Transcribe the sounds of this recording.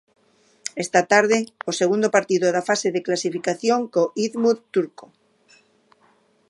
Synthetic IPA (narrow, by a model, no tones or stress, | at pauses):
est̪at̪aɾðeoseɣ̞und̪opaɾt̪iðoðafaseðeklasifikaθjoŋkoʔiðmuðt̪uɾko̥